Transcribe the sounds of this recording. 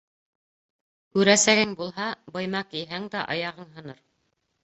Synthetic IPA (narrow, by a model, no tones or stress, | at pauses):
kʉɾæsæɡɘŋbulˠɦɑbɤ̆jmɑkij̪ɦæŋd̪æʔɑ̰jɑʁɤŋɦɤ̆nɤɾ